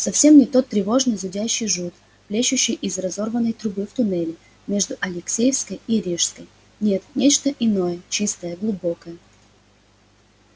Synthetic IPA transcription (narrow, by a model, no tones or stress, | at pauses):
sɐfsʲe̞mnʲɪt̪o̞t̪ːɾʲɪvo̞ʐnɨjzʊdʲæɕːɪjʐut̪ | plʲeɕʉɕːɪjʔɪzrɐzo̞rvənːəjt̪ɾʊbɨft̪ʊnɛlʲɪ | mʲe̞ʐd̪ʊʔɐlʲɪksʲejəfskəjiɾʲiʂskəj | nʲe̞t̪nʲet͡ɕt̪əʔɪno̞jət͡ɕist̪əjəɡlˠʊbo̞kəjə